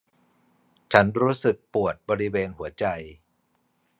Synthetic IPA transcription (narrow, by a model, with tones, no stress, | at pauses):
t͡ɕʰa˦˥nɾuː˦˥sɯ˨˩k̚pu˨˩ət̪̚bɔː˧ɾi˦˥weː˧nhu˩˦ɐt͡ɕa˧j